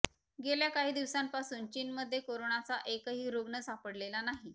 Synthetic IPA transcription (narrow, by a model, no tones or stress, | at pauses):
ɡeljakaɦiːd̪iʋsãmpasuːnt͡ɕiːnməd̪ʱːjekoɾoɳat͡saʔekəɦiːɾoɡɳəsapəɽlelanaɦi